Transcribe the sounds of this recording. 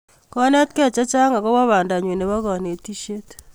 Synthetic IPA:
kɔ˦nɛ˦tkɛ˦˨t͡ʃa˦t͡ʃa˦ŋa˨kɔ˦wɔ˦βa˨nda˨ɲwe˨ne˨βa˦ɣɔ˨ne˨ti˦ʃe˦t

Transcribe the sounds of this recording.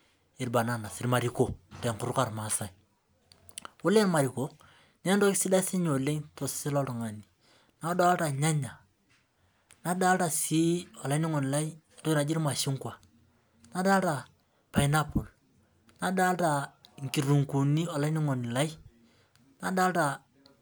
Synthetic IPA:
ɪ˨ɾba˨na˦na˨sɪ˨ɾma˨ɾi˨ko˨to˨ŋkʊ˨˦ɾʊ˦ka˨ɾma˨sa˨j | ʊ˦le˦ɾma˨ɾi˨ko˨˦ | ne˦n˦do˦sɪ˦da˦sɪ˦ɲo˨le˦ŋto˨ssɪ˦lɔ˦tɔ˨ŋa˨ni˨ | na˨˦da˦ta˨ɲa˦ɲa˨ | na˦da˦lta˨si˦ɔ˨la˦ni˦ŋo˨n˨la˦i˦˨ndo˦na˨d͡ʒi˦ɾma˨ʃɪ˦ŋkwa˨ | na˦da˦lta˨ | pa˨i˨na˦po˨l | na˨da˦lta˨ŋ˨ki˨ru˨ŋku˨ni˦ɔ˨la˦ni˦ŋo˨ni˨la˦i˦ | na˨da˦lta˨

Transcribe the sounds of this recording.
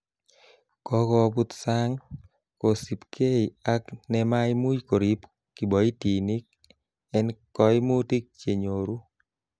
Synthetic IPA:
kɔ˦kɔ˧bu˦t̪sa˦ŋ | ko˨si˨pkʰe˦a˦knɛ˦ma˦jmu˦jko˨ɾi˦p | ki˨bɔ˨i˦ti˨ni˦k̚ | ɛ˦nkɔ˦jmu˦ti˦k̚t͡ʃe˨ɲo˨ɾu˦

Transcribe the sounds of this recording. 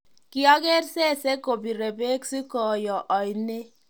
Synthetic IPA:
ki˦ɔ˦ke˦ɾse˦˨se˦ko˨bi˨ɾe˨be˦ksi˦kɔ˨jɔ˨ʔɔ˨jne˦

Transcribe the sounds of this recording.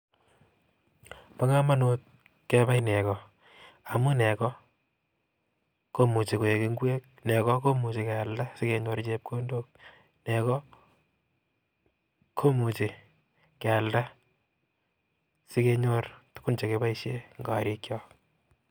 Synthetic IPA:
pa˦ŋa˦ma˦not̚ | ke˦ba˦jnɛ˨kɔ˨ | a˨mu˦nɛ˨kɔ˦ | ko˦mu˨t͡ʃe˨ko˨je˨ke˦ŋɡwe˦k̚ne˨kɔ˦ko˦mu˨t͡ʃe˨ke˨a˨lda˦sɪ˦ke˦ɲo˧ɾt͡ʃe˦p̚kʰo˦ndo˦k̚ | ne˨kɔ˦ | kʰo˦mu˨t͡ʃe˨ | ke˨a˨lda˦ | si˦ke˦ɲo˦rtu̥˦ku˦nt͡ʃe˨ke˦ba˦iʃe˦ŋɡa˨ɾi˦kjɔ

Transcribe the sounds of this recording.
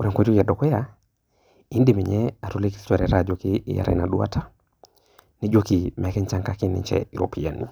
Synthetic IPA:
o˨ɾa˨ŋko˦d͡ʒo˦kja˨dɔ˨kwɛ˦ja˨ | i˦nde˦˨me˨ɲɛ˦a˨tu˦le˦ki̥stɛ˨ɾɛ˨ɾa˦˨d͡ʒo˨kḭː˦ja̰ɾɛ̰˨na˨du˦a̰˦tʰa˦ | ne˦d͡ʒo˦ki˨mɛ˨˦kɛ˦ɲt͡ʃa˦ŋka˦kɪ˦nɪ̰˨ɲt͡ʃɛ̰i˨ɾo̰˨pʰi˨ja̰˨nḭ˨

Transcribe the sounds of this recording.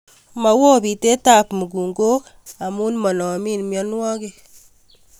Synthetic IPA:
ma˨wo˦bi˨te˦ta˨pmu˨ɡu˨ŋɡo˦k | a˨mu˦nmɔ˨nɔ˨mi˦nmjɔ˦nwɔ˦ke˨

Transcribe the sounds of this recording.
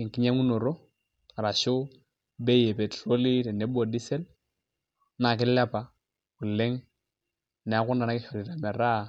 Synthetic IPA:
ɪ˨ŋ˨ki˦ɲa˦ŋu˦no˨ɾɔ˦ | a˨ɾa˨ʃʊ˦ | bɛ˦je˨pɛ˨tɾo˦li˦tɛ˨nɛ˨˦bo˨di˦sɛ˦l | na˨kɪ˦la˦pa˨ | ku˨lɛ˦ŋ | nɛ˨a˦kʊ˦nda˨na˦kɪ˦ʃɔ˨li˨ɾa˨mɛ˨ɾa˦

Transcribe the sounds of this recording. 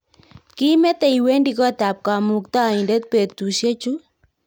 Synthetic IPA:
ki˦mɛ˦t̪ɛ˨i˨we˦ndi˨kɔ˦t̪a˨p̚ka˨mu˨kt̪a˦˨i˨ndɛ˦t̪̚pe˨t̪t̪u˨ʃe˦t͡ʃu˦

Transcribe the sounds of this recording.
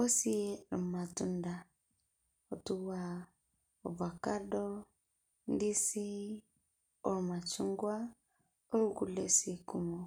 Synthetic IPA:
o˦si˦ɾɔ̰˨ma˨tu˦nda˨ | o˨tu˦wa˨ | o˨va˨ka˦dɔ˦ | ndi˦si˦ | o˨ɾma˨t͡ʃu˦ŋɡwa˦ | o˦ɾu˦ku˨le˨si˦ku˦mo˨

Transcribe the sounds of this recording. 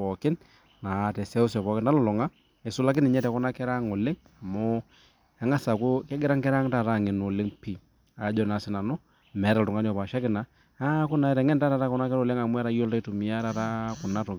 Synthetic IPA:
ɔ˨kɪ˦n | na˨tɛ˨sɛ˦ʊ˦sɔ˨pɔ˨kɪ˦na˦lʊ˨lɔ˨ŋa˦ | ɛ˨sʊ˦la˦k̬ɪ˦nɪ˨ɲɛ˦tɛ˨kʊ˦na˦kɛ˦ɾa˦ŋo˨lɪ˦ŋ | a˨mʊ˦ | ɛ˨˦ŋa˦sa˨kʊ˦kɛ˦ɡɪ˦ɾa˦ŋkɛ˦ɾa˦ŋta˦˨ɾa˦˨ŋɪ˨no˨lɪ˦ŋpi˨ | a˨˦d͡ʒɔ˦na˨sɪ˨na˨nʊ˦ | mɛ˨˦ɾa˨ltʊ˨ŋa˦n˦ɔ˨pa˨ʃa˦kɪ˨na˨ | a˦kʊ˦na˨ɛ˨˦ɾɛ˨ŋɛ˦nta˦ɾa˨ɾa˦kʊ˦na˦kɛ˦ɾo˨lɪ˦ŋa˨mʊ˦ɛ˦ɾa˦jo˦lta˦i˦tu˨mi˨a˦ɾa˨ɾa˦kʊ˨na˦to˨˦

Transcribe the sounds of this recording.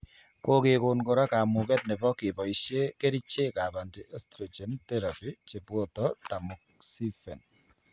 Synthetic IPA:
ko˦kɪ˨kʊ˨nkɔ˨ɾa˦ka˨mʊ˨kɛ˦t̚nɛ˨bɔ˦kɪ˨bɔ˨i˨ʃe˦ke˦ɾi˦t͡ʃe˦ka˨ba˨ndi˨ʔɔ˦stɾɔ˨d͡ʒɛ˨˦ntɛ˦ɾa˨pi˦t͡ʃe˨pwɔ˦tɔ˦ta˨mʊ˨k̚ | si˦fɛ̰˨n

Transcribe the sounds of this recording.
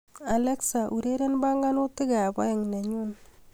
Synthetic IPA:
a˨lɛ˦ksa˨ʔu˨ɾe˦ɾe˦nba˦ŋɡa˦no˦tɪ˦ɡa˨a˨ba̰˦ɪ˨ŋne˨ɲu˦n

